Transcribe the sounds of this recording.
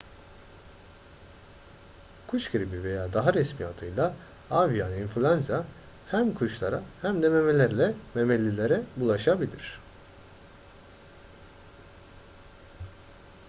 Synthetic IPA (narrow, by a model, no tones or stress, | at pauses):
kʰuʃɡɯɾibive̞jaːd̪aɦaɾɛsmija̰t̪ʰɯjlˠa | avijaninfulʲanza | hæmkʰuʃlˠaɾahæmd̪ɛme̞me̞lʲæɾlʲɛme̞mɛlʲːilʲeɾɛbulˠaʃabilʲḭɾ̥